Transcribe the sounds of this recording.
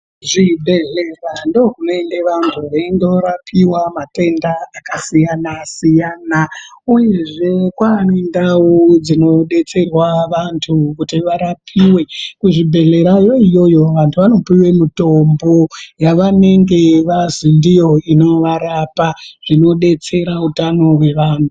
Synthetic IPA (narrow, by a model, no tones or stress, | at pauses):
ʐibʱe̞ɮe̞rando̞rume̞nde̞ʋantʰuʋeindo̞ɾapʰiwamate̞ndaːkasijanasijaːnauje̞ʐe̞kwanendaud͡zino̞ɗe̞t͡se̞rwaʋantʰukutiʋaɾapʰiwe̞kuʐibʱe̞ɮe̞ɾajo̞ijo̞jo̞ʋantʰuʋano̞piwe̞mutombo̞jaʋane̞ŋɡe̞ʋazindijo̞ino̞ʋaɾapaʐ̥ino̞ɗe̞t͡se̞ɾautano̞we̞ʋaːntʰu